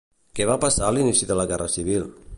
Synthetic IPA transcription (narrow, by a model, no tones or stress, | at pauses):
keβapasaəlinisiðəlaɣɛrəsiβ̞ilˠ